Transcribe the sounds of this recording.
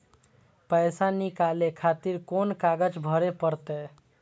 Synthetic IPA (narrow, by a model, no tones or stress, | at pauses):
pəjsanikalekʰat̪iɾkonkaɡəd͡ʒbʱəɾepəɾt̪ɛ